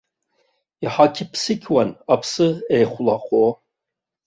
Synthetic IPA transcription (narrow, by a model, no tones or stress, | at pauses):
iħakʲʰɪpʰsɨkʲʰwanapʰsɨejχʷʊlaχʷo